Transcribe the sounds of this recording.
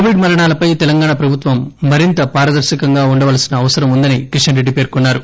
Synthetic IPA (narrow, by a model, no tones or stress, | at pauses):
ʋiɖmɐɾɐɳaːlɐpɐjt̪ɛlɐŋɡaːɳaːpɾɐbʱut̪ʋɐmːɐɾint̪ɐpaːɾɐd̪ɐɾʃikɐŋɡaːuɳɖɐʋɐlɐsinɐːʋɐsɐɾɐmund̪ɐnikɾiʂɐnɾeɖipe̞ːɾkunːaːɾu